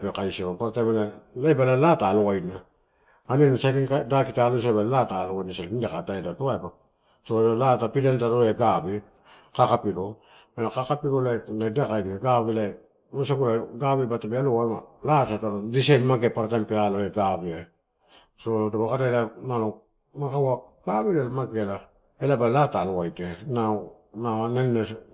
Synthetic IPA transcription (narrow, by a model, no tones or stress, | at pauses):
pekajsiomapaɾatamalalabalalataloɡajnaː | nensaɾiŋkadakitalos̬aballataloajnasalindakataedatoaeba | sobalatapidantaɾoleɡabi | kakapiɾo | melakakapiɾolaladakajnaɡaβila | mosakuɾaɡabibatabialoamalasataɾodisajnmaɡepaɾatampealoleɡabia | soolotaβakataelanano | makawaɡ̥aβilalamaɡela | elabalataloajtena | nanenːes